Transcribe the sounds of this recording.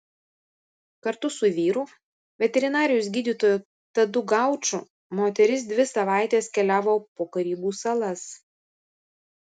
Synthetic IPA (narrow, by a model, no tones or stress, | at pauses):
kɐɾt̪ʊsʊʋʲiːɾuː | ʋʲɛt̪ʲɛɾʲɪnɑːɾʲɪjʊs̬ɡʲiːd̪ʲiːt̪oːjʊ | t̪ɐd̪ʊɡɑˑʊt͡ʃʊ | moːt̪ʲɛɾʲɪs̬d̪ʲʋʲɪsɐʋɑˑɪt̪ʲeːskʲɛlʲæːʋoːpoːkɐɾʲiːbuːsɐlˠɐs